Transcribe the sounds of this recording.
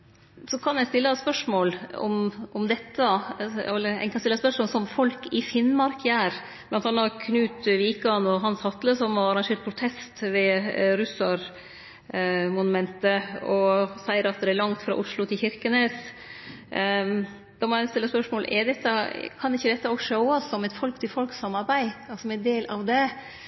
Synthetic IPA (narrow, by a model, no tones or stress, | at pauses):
sɔkʰɑnjæɪst̪ɪlːəspœʂmoːlɔ̰mʔɔmd̪ɛt̪ːɑɛlːəɾæ̰kɑnstɪlːəspœʂmoːlsɔmfɔlkɪfɪnmɑɾkʰjæːɾ | b̥lɑnt̪ɑnːɑkʰnʉːt̪ʋiːkɑnɔɦɑnshɑt̪ləsɔmhɑɾɑɾɑŋʂeːʈ̪̚pʰɾʊt̪ʰɛst̪ʋɛɾʉsɑɾ | mʊnʉmɛnt̪əɔsæɪəɾɑt̪̚d̪ɛæɾlɑŋt̪fɾɑ̰ʔʊʂlʊt̪ʰɪlçɪɾkənes | d̪̥ɑmɔæst̪ɪlːəspœʂmoːlʔɛɾd̪ɛt̪ːəkʰɑnɪçːəd̪ɛt̪ːɑoːɡʂœʊɑsɔmɛt̪fɔlkt̪ʰɪlfɔlksɑmːɑɾbæɪɑsɔmɛnd̪eːlʔɑʋd̪ɛ